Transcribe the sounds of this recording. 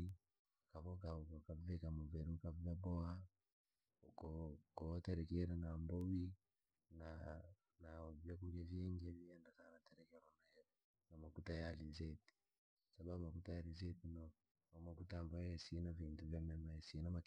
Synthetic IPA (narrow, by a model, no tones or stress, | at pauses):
i | kaβɔkaakavɛkamɔvɛɾukavjabɔa | kɔkɔtɛɾɛkɛɾanambɔwi | na | navjakuɾiavɛŋɡiaviɛndasanatɛɾɛkɛɾɔnaɛ | namakutajalizɛti̥ | saβabumakutajaɾizɛtinɔ | makutambaɛsinavintuvjamɛmaɛsinama